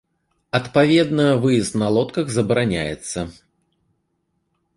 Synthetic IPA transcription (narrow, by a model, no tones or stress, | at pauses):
ɐt̪pavʲɛd̪nɐvɨjɛst̪nɐlˠɔt̪kɐɣzɐbɐɾanʲa̰jɛ̰t̪sːɐ